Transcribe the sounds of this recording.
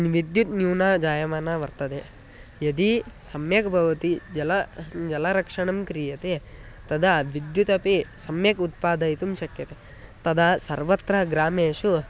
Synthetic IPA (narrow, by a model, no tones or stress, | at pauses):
nʋid̪jut̪njuːnad͡ʒaːjɐmaːnaʋɐɾt̪ɐd̪e | jɐd̪isɐmjɐkbʱɐʋɐt̪id͡ʒɐlɐd͡ʒɐlɐɾɐkʂɐɳɐmkɾijɐt̪e | t̪ɐd̪aʋid̪jut̪ɐpisɐmjɐkut̪̚paːd̪ɐjt̪umʃɐkjɐt̪e | t̪ɐd̪asɐɾʋɐt̪ɾɐɡɾaːmeːʃu